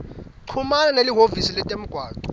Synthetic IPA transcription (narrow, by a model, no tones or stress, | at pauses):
ǀʰumalaneliɦovisilɛtʼem̩ɡ̥ʱwaːd̥ʱʼu̥